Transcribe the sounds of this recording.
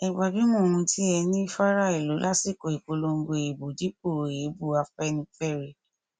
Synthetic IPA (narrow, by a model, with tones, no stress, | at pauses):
ɛ˨ɡ͡ba˨bi˨˦mɔ̃˦˨ũ˧tʰi˦ɛ˧nĩ˦fa˦ɾa˦i˨lo˨˦lʔa˦si˦˨ko˨i˨ko˨˧˦lo˧ŋ̩˦ɡo˧e˨bo˨di˨˦k͡po˦˨ɾo˨e˨˦bu˦˨a˧fɛ˦nĩ˧fɛ˦˨ɾe˨